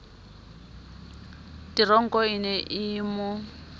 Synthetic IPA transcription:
tirɔŋ̩kʼɔinɛʔimʊ

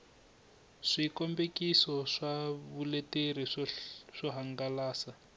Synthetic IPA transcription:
ʂikɔmbekisɔʂaβuleteriʂɔɦaŋɡalaːsa

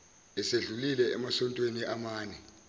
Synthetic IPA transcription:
ɛseɮulilɛɛmasɔntʼweniʔamaːnɛ

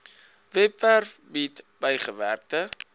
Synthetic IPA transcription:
vɛpfærfbitb̥əjχəvæ̰rk̚tə

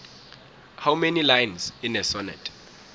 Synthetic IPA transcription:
hawmenilajnzinɛsɔnɪ̰tʰʼ

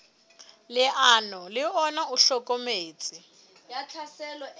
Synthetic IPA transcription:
lɪʔanɔlɪɔnauɬɔkʼomeːt͡sʼɪ | jat͡ɬʰasɛlɔ

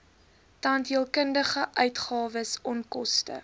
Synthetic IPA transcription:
tɐntiəlˠkəndəχəʔœɥtχɑːvəsɔnkɔstə̰

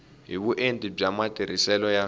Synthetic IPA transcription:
ɦiβuʔentʼib͡ʐamatʼiɾ̤isɛlɔja

